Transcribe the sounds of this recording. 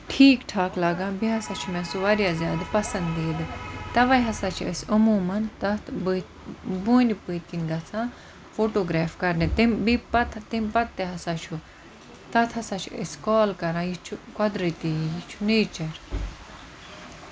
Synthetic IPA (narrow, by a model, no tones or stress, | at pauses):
ʈʰiːkʈʰaːklaɡãːbiɦɐsat͡ʃʰumẽsuʋɐɾjaːzʲjaːd̪pɐsɐ̃nd̪iːd̪ɨt̪ɐʋɐjɦɐsaːt͡ʃʰɐ̰sɐmuːmɐnt̪ɐt̪ʰbɨt̪buːnipɨːt̪̚kinɡɐt͡sʰãː | foːʈoːɡɾaːfkɐɾnet̪imbipɐt̪ʰt̪imʲpɐt̪̚ːeɦɐsaːt͡ʃʰu | t̪ɐt̪ʰɐsãːt͡ʃʰuḛskɔːlkɐɾãːjit͡ʃʰukɐd̪ɾit̪ijit͡ʃʰuneːt͡ʃɐɾ